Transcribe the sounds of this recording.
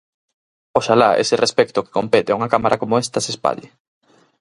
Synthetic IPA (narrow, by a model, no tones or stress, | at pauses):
oʃalaḛsɪrespɛkt̪ʊke̥kompet̪eauŋakamaɾʔakomoɛst̪ɐsespa̰ʎe